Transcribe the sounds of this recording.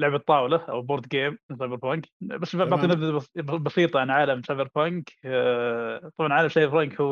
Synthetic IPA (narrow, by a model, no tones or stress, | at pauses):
lʊʕbɑt̪ˤːɑːwlaʔa̰wboɾˤd̪ɡeːmsaːbɪɾpaŋkbasːbbaʕt̪ˤiːnabd̪abbbɑsiːt̪ˤɑʕanʕaːlamʃabɪɾpaŋk | t̪ˤɑbʕɑnʕaːlamʃaːɾfɾɑŋkhu